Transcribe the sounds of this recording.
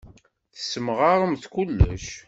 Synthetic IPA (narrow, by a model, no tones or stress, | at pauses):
θə̥səməʁaɾˤəmθkulːə̰ʃ